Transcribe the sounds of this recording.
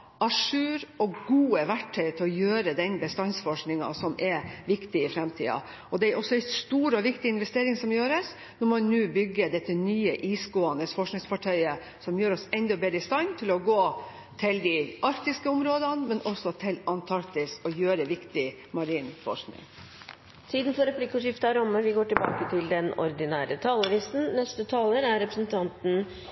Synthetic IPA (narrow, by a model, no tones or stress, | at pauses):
ɑʂʉːɾɔɡuːəʋæʈʰːœʏt̪ʰɪlɔjøːɾəd̪ɛnbəst̪ɑnsfɔʂknɪŋɑ̰sɔmʔɛʋɪkt̪ɪɪfɾɛmt̪ʰḭːɑ̰ | ɔd̪ɛæɾʔɔsːɔɛst̪uːɾɔʋɪkt̪ɪɪnʋɛst̪eːɾɪŋsɔmjøːɾəs | nɔɾmɔnnʉːbʏɡːəd̪ɛt̪ːənyːəʔiːsɡoːɑnəsfɔʂknɪŋsfɑʈʰœʏə | sɔmjøːɾɔsɛnd̪ɔbeːɾd̪ɪst̪ɑɪnt̪ʰɪlɔɡoː | t̪ʰɪld̪ɪɑɾkt̪ɪskəʊmɾoːd̪ənmɛnʔɔsːɔt̪ʰɪlɑnt̪ʰɑɾkt̪ɪsɔjøːɾəʋɪkt̪ɪ | mɑɾiːnfɔ̰ʂnɪ̰ŋ | t̪ʰiːd̪n̩fɔɾɛpʰlɪkːɔʂɪft̪əɑɾʊmːəʋɪɡoːʈɪlbɑ̰ːkət̪ʰɪld̪ɛnɔ̰ɾd̪ɪnæːɾət̪ʰɑːləʋiːsn̩nɛst̪ət̪ʰɑːləɾæɾɾɛpɾəsənt̪ʰɑnt̪n̩